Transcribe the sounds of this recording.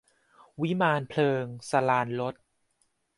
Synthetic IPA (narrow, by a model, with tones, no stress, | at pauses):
wi˦˥maː˧npʰlɤː˧ŋsa˧laː˧nlo˦˥t̪̚